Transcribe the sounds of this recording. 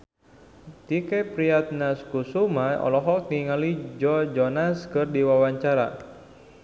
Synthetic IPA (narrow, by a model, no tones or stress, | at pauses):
t̪ikɛpɾiat̪̚naskusumajɔ̰lɔɦɔk̚niŋalid͡ʒɔd͡ʒɔnaskɨrdiwawaɲt͡ʃaɾa̰